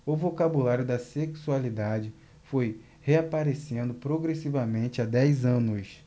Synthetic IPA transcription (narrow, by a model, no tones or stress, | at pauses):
ʊvokabulaɾjʊd̪ɐseksualid̪ad͡ʒɪ | foj | heapaɾesẽnd̪ʊpɾoɡɾesivɐmẽnt͡ʃɪad̪ɛjzɐ̃nʊs